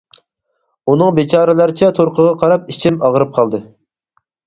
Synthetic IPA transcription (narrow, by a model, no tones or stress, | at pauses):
unɨŋbet͡ʃʰɑːɾɨlˠæɾɪt͡ʃʰɛt̪ʰoɾqʰəʁɑqʰɑɾɑp̚it͡ʃʰimɑʁəɾɨp̚qʰɑlˠd̪ɨ